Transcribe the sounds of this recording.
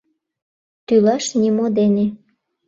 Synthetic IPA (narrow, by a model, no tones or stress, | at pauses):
t̪ylɑʃnʲimod̪ene